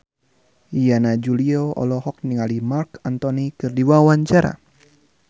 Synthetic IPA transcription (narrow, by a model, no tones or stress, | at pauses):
ijanad͡ʒulioɔ̰lɔhɔk̚niŋalimarkant̪ɔnikɨrdiwawaɲt͡ʃaɾa̰